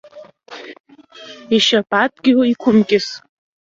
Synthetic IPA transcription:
iʃapʼatʼɡʲɪʕoikʷʰʊmkʲʼɪs

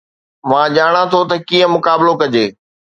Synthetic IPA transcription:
mãːʄaːɽ̃ãt̪ʰot̪ɐkiːə̃mʊkaːbɪlokɐd͡ʑeː

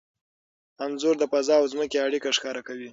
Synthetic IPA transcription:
amzuɾd̪əpazɑawzməkeaɽikaʂkɑɾakawi

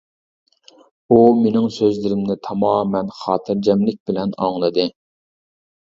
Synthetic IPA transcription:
umenɪŋsøzlɪɾɪmnɪt̪ʰɑmɑːmɛnχɑːt̪ʰɨɾd͡ʒɛmlɪk̚ʲbɪlɛnɑ̰ŋlˠɨd̪ɨ

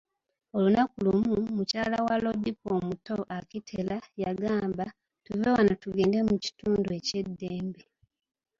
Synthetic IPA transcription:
o̞lunakulumumucaːlawalo̞dipoːmuto̞ʔakitʰelajaɡaːmba | tuvewanatuɡe̞ːndemuci̥tuːndue̞ce̞dːeːmbi

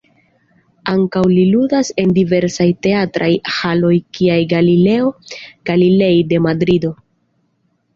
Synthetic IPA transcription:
aŋkawliludase̞ndive̞ɾsajte̞atɾʔajhalo̞jkʰiajɡalile̞o̞ɡ̥alile̞jde̞madɾido̞

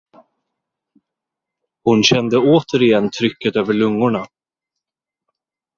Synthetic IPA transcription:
hʊnɕɛnd̪əoːt̪ʰəɾɪjɛnːt̪ʰɾʏkːət̪øːvəɭɵŋːʊɳa

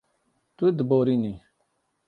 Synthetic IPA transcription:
t̪ud̪boɾini

